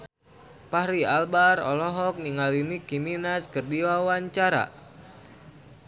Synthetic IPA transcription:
pahɾialbarɔ̰lɔɦɔk̚niŋalinikiminaskɨrdiwawaɲt͡ʃaɾa̰

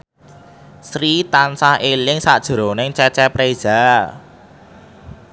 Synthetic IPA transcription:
sɾit̪ansahʔelɪŋsaʔd̥ʒ̥ə̤ɾɔnɪŋt͡ʃɛt͡ʃɛpɾe̥ʒ̥a̤

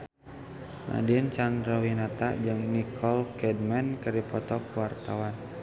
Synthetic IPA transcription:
na̰dint͡ʃand̪ɾawinat̪a̰ʔd͡ʒɨŋnikʰɔlkɛdmankəɾipɔt̪ɔk̚wart̪awan

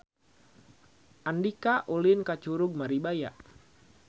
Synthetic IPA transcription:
ʔandikaʔulinkat͡ʃuɾʊɡ̚maɾibajaʔ

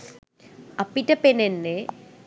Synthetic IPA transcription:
ɐpːitːɐpenenːe

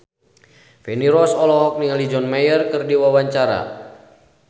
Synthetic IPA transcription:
fɛniɾɔsɔlɔɦɔk̚niŋalid͡ʒɔnmajərkɨrdiwawaɲt͡ʃaɾa̰

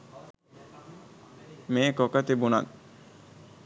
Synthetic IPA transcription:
meːkɔkat̪ebuna̰t̪̚

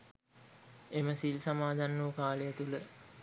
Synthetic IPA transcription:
eməsilsamaːd̪ʱanːuəkaːləjət̪ulə

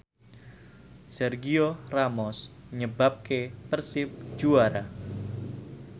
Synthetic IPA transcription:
sɛrɡioramɔsɲəbap̚kepərsɪp̚d͡ʒuaɾa

